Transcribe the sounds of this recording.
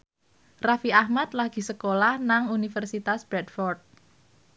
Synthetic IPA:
rafiahmat̪̚laɡ̥i̤səkolahnaŋunifərsit̪asb̥ɾɛt̪fɔrt̪̚

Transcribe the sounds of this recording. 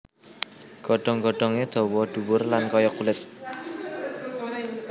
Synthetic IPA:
ɡ̥ɔɖ̥ɔ̤ŋɡɔɖ̥ɔ̤ŋed̪̥ɔ̤wɔɖ̥ṳwʊrlankɔjɔkulɪt̪̚

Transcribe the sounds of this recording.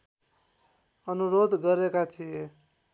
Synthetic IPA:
ʌnuɾod̪ɡʌɾekat̪ʰije

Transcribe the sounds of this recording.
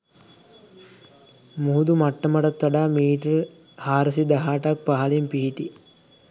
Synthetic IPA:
muɦud̪umaʈːəmɐʈɐt̪ːʋɐɖaːmiːʈɐɾ | haːɾəs̬id̪ɐɦaːʈɐk̚paɦalimpiɦiʈi

